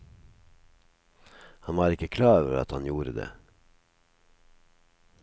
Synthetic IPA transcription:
hɑnʋɑːɾɪkəkʰlɑːœʋəɾɑ̰t̪hɑnjuːɾəd̪ḛː

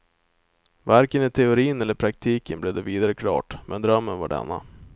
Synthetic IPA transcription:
vaɾkənɪt̪ʰɛʊɾiːnɛlːəɾpʰɾak̚t̪ʰiːkənblɛvd̪ɛviːd̪aɾəkʰlɑ̰ːʈmʔɛnd̪ɾœmːənva̰ɖɛ̰nːa̰

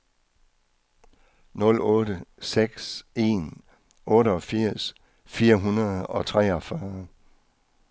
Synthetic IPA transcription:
nɔ̽lɔ̽ːɾəseɡ̥se̝̰ːn | ɔ̽ːɾəɒ̽fiɐ̰s | fiːɐɦunɐð̩ˠɒ̽t͡sʰʁɛɒ̽fɶɐ

